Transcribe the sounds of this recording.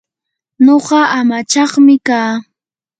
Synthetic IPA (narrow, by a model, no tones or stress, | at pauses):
noɢɑʔamat͡ʃɑχmɪkaː